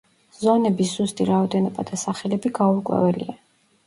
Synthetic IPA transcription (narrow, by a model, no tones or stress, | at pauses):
z̥ɔnɛbiszust̪ʼiɾaɔd̪ɛnɔbad̪asaχɛlɛbiɡauɾkʼwɛ̰vɛlḭa